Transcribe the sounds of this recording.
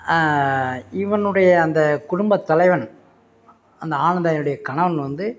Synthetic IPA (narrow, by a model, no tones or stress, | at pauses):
ɪʋɐnɯɽɐjɐːnd̪ɐkʊɽʊmbɐt̪ːɐlɐɪʋɐn | ɐnd̪ɐaːnɐnd̪aːjnɯɽɐjɐkɐɳɐʋɐnʋɐnd̪ɯ